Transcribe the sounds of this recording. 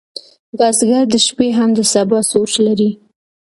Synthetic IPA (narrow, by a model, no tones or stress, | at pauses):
ɡɑzɡaɾd̪əʃpeɦamd̪əsabɑsot͡ʃlaɾi